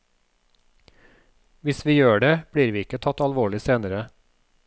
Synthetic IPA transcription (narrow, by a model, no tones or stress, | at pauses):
ʋɪsʋiːjøːɖeːb̥ɽiːɾʋiːɪkət̪ʰɑt̪ɑlʋoːɭɪseːnəɾə